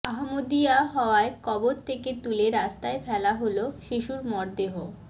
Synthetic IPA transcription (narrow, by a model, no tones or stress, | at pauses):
aɦmod̪iaɦɔoaekɔboɾt̪ʰeket̪uleɾast̪aefʰɛlaɦoloʃiʃuɾmɔɾd̪eɦo